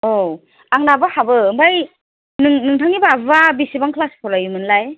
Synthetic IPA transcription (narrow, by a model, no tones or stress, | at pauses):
ow | aŋnabɯhabɯbaj | nɯŋnɯŋtʰaŋibababisibaŋkʰlaspʰɔɾajumɯnlaj